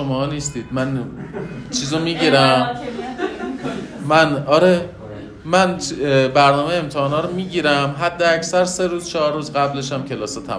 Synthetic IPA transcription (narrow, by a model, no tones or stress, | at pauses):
ʃomɒːniːst̪iːd̪̥mæn | t͡ʃʰiːzomiːɟiɾæm | mænɒːɾe | mænbæɾnɒːmejeemt̪ʰehɒːnɒːɾomiːɟiːɾæmɦæd̪ːeæcsæɾse̞ɾuːz̥t͡ʃʰɒɦɒɾːuːzɢæble̞ʃæmcʰe̞lɒːset̪ʰæ̰m